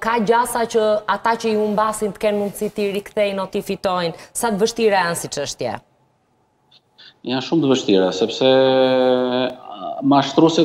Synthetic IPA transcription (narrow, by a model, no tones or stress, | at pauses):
kaɟasacəat̪acəiumbasint̪ə̥kɛnmund̪sit̪iɾikθɛjnɔt̪ifit̪ɔjnsat̪əvəʃt̪iɾajansit͡ʃəʃt̪jɛ̰ | janʃumt̪əvəʃt̪iɾasɛpsɛ | maʃt̪ɾusɛ